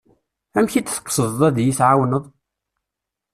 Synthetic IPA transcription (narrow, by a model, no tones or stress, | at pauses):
æmçit͡sθə̥qːsəðˤðˤæðjiθʕawnəðˤ